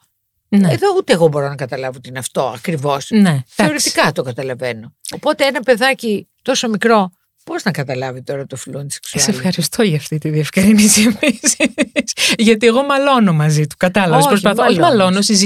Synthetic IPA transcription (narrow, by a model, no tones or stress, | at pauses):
neeðo̞ut̪eːɣobo̞ɾonɐkɐt̪ɐlɐvoot̪inɐft̪o̞ɐkɾivo̞sne̞θɐeoɾist̪i̥kɐt̪o̞kɐt̪ɐlɐveno̞opo̞t̪e̞enɐpe̞ðɐcit̪o̞so̞mikɾo̞ | poznɐkɐt̪ɐlɐvit̪o̞ɾɐt̪ofluɐnd̪ise̥ksusefxɐɾist̪o̞ʝɐft̪it̪iðiefkɾinisiepisisʝɐt̪ie̞ɣo̞mɐlo̞no̞mɐzit̪u̥kɐt̪ɐlɐvesspɾopɐθooimɐlo̞nosiz